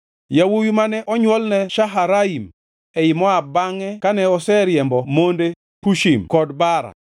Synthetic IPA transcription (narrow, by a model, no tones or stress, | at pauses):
jawujumanɛʔɔɲwɔlnɛʃaɦaɾaim | ɛɪmɔabaŋɛkanɛɔsɛɾjɛmbɔmonde | puʃimkɔdbaɾa̰